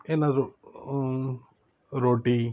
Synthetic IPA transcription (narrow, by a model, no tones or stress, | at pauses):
eːnaɾo | ɾoːʈiː